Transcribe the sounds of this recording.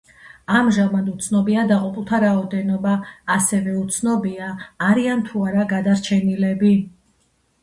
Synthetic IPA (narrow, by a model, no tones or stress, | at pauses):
amʒamad̪ut̪sʰnɔbiad̪aqʼupʼlˠt̪ʰaɾaɔd̪ɛnɔbaːsɛvɛut̪sʰnɔbiaːɾiant̪ʰuaɾaɡad̪aɾt͡ʃʰɛnilɛbi